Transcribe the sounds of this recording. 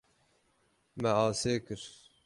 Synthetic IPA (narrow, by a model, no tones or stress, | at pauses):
mɛɑːseːkɨɾ